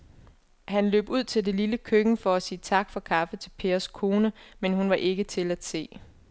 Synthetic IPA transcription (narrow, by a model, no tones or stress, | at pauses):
hænlø̰ːb̥uð̞̰ˠt͡sʰe̝ld̥e̝liləkʰøɡ̥n̩fɒ̽æsiːt͡sʰɑ̈ɡ̥fɒ̽kʰɑ̈fət͡sʰe̝lpʰe̝ːɐskʰo̝ːnəmenɦunʋɑ̈ʔe̝ɡ̥ət͡sʰe̝læd̥se̝̰ː